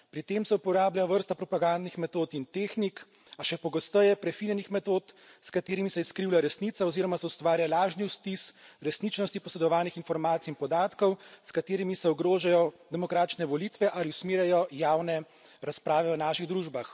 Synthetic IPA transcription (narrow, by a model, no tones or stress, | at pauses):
pɾit̪eːmsɛupɔɾaːblajɔʋəɾst̪apɾɔpaɡand̪nixmɛt̪oːt̪int̪eːxnik | aʃɛpɔɡɔst̪əjɛpɾɛfinɛnixmɛt̪oːt̪ | skat̪eːɾimisɛiskɾiwlaɾɛsnit̪saɔziːɾɔmasɛust̪ʋaːɾjalaːʒniwst̪isɾɛsnit͡ʃnɔst̪ipɔsɛd̪ɔʋaːlnixinfɔɾmaːt̪siinpɔd̪aːt̪kɔwskat̪eːɾimisɛɔɡɾoːʒajɔd̪ɛmɔkɾaːt͡ʃnɛʋɔlit̪ʋɛʔaliusmeːɾjajɔjaːwnɛ | ɾaspɾaːʋɛɔnaːʃiɣd̪ɾuːʒbax